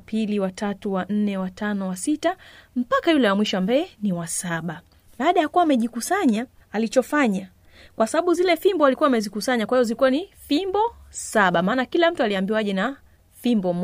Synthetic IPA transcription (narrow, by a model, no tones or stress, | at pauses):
pʰiliwatʰatuwan̩nɛwatʰanɔwasitam̩pakajulɛwamwiʃɔambajɛniwasaɓa | ɓaːɗajakuwaːmɛʄikusaɲaː | lit͡ʃɔfaɲa | kwasaɓaɓuzilɛfimbɔalikuwaːmɛzikusaɲakwahivɔzilikuwanifimbɔsaɓamaːnakilam̩tualiambiwaʄɛna | fimbɔm